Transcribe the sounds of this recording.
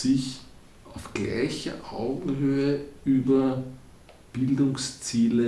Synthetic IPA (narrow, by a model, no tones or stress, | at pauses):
ɪç | ɑʊfɡ̥læ̰ɪçɐ̰ʔaʊɡŋ̩høːəʔyːbɐ | b̥ɪldʊŋst͡siːlə